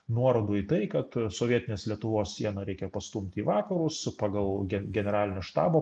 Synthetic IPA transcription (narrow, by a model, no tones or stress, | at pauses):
nuɔɾoːd̪uːit̪ɐɪkɐt̪soːʋʲiɛt̪ʲɪnʲeːslʲiɛt̪ʊʋoːssʲiɛnɐɾʲɛɪkʲɛpɐst̪umʲt̪ʲiːʋɑːkɐɾʊsspɑːɡɐlˠɡʲɛɡʲɛnʲɛɾɑːlʲɪnʲoːʃt̪ɑ̰ːboː